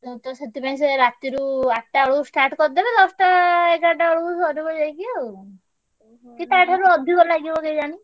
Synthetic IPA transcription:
et̪ɔset̪ipaĩs̬eɾat̪iɾuaʈːaɔɽusʈaɾʈkɔɾd̪ebɛd̪ɔsʈaekaʈ̬aɔɭusɔɾibɔd͡ʒajkio | kit̪aʈʰaɾuɔd̪ʱikɔlnakibɔkejd͡ʒani

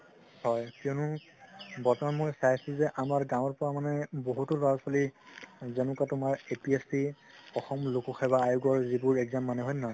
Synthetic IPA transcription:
hɔjkɛʊnʊ | bɔtɔamojsajsizɛʔamaɹɡãwɔɹpɔɹamanɛboɦutʊlɔɹasɔlizenʊkatʊmaɹepiesi | ɔxɔmlokuxɛbaːjuɡɔɹzibuɹɛkzamːanɛɦɔjnɔ

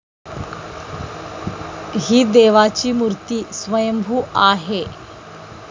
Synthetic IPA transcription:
ɦiːd̪eʋat͡ɕiːmuɾt̪iːsʋəjəmbʱuːʔaɦe

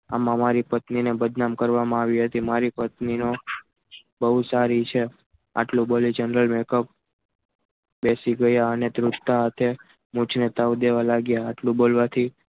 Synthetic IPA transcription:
a̰mãmaɾipət̪ninebəd̪namkəɾʋamãaʋiɦət̪imaɾipət̪nino | bəɦusaɾit͡ʃʰe | a̰ʈlũbolid͡ʒənɾəlmekəp̚ | besiɡəjaənet̪ɾuʈt̪aɦat̪ʰe | mũt͡ʃʰnet̪aʋd̪eʋalaɡjaaʈlũbolʋat̪ʰi

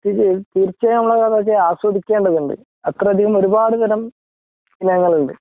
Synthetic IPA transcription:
t̪it̪iːrt͡ɕːɐnɐmːɭːɐkaðɐk̬ːeaːswɐd̪ikʲːe̞ːɳɖɐðuɳɖɨ̰ | ɐt̪rɐɐd̪ʱiɣɐmo̞ɾubaːɽɨt̪ɐnɐm | inɐŋːɐɭuɳɖɨ

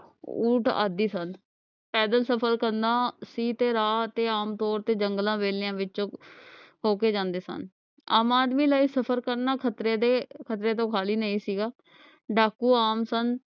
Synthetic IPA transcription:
uːʈa̰ːd̪iːsən | pɛːd̪əlsəpʰəɾkəɾnd̪ãːsiːt̪eːɾaːət̪eːaːmt̪ɔːɾt̪eːd͡ʒəŋɡlãːʋeːlɪjãːʋɪt͡ʃõːɦoːkeːd͡ʒãːnd̪eːsə̰n | a̰ːmaːd̪miːlaːiːsəpʰəɾkəɾnaːkʰət̪ɾeːd̪eːkʰət̪ɾeːt̪̬õːkʰaːliːnəĩːsiːɡaː | ɖaːkuːaːmsən

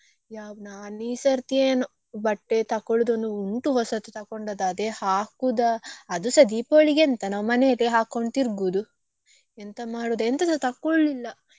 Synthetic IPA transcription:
jaːʋnaːniːsɐɾt̪ieːnu | bɐʈːet̪ɐkːoɭud̪ond̪uuɳʈuɦɔsɐt̪ut̪ɐkoɳɖɐd̪aːd̪ehaːkud̪ɐːd̪usɐd̪ipoɭiɡent̪ɐnaːʋmɐneɐleeɦaːkːoɳɖt̪iɾɡud̪u | ent̪ɐmaːɽuːd̪ent̪ɐsɐt̪ɐkːoɭlilːɐ

